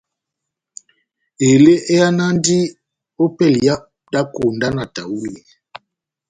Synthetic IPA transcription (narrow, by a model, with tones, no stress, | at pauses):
e˨le˦ʔe˦a˦na˦ndi˦ | o˦pɛ˦˨lja˦ | da˦ko˨nda˦na˨ta˨wu˦le˨